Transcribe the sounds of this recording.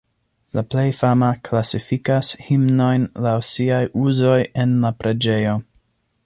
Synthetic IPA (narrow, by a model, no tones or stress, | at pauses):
laple̞jfamaklasifikashimno̞jnlawsiajʔuzo̞je̞nlapɾe̞d͡ʒe̞jo̞